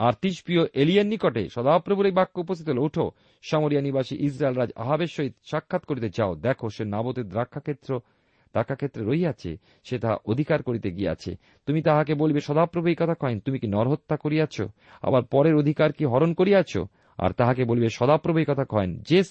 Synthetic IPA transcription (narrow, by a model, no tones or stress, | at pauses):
aɾt̪iʃpioʔelienːikoʈḛʃɔd̪apɾobuɾejbakːoupost̪it̪olouʈʰo | ʃamoɾianibaʃiʔisɾaelɾad͡ʑa̰ɦabeʃːoɦit̪ʃakʰːat̪koɾit̪ed͡ʑaod̪ɛkʰoʃenabot̪ed̪ɾakʰːaet̪ːɾo | d̪ɾakʰːakʰet̪ːɾeɾoiat͡ɕʰḛ | ʃet̪aa̰ʔod̪ʱikaɾkoɾit̪eɡiḛa̰t͡ɕʰḛ | t̪umit̪aɦakebolbeʃɔd̪apɾobʱuikɔt̪ʰakʰɔent̪umikinɔɾɦot̪ːakoɾiat͡ɕʰo̰ | a̰baɾpɔɾeɾod̪ʱikaɾkiɦɔɾonkoɾiat͡ɕʰo̰ | a̰ɾt̪aɦakebolibeʃɔd̪apɾobʱuikɔt̪ʰakʰɔend͡ʑe